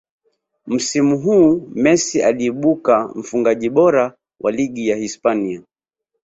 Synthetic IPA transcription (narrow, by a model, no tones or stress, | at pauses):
m̩simuɦuːmɛsia̰liːɓukam̩fuŋɡaʄiɓɔɾa | wʔa̰liɡijahispania